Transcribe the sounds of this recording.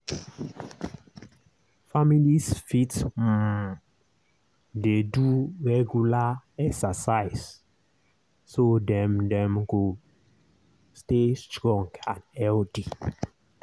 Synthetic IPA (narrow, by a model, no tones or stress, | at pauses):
familisfitsm | deduɹɛɡjulaɛksasaɪs | odɛ̃mdɛ̃mɡo | stestɹɔ̃ŋɡãnɛldi